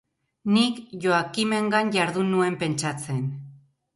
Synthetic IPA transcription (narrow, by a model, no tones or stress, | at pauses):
nikʝo̞akime̞ŋɡanʝaɾðunue̞mpe̞nt͡ʃat͡se̞n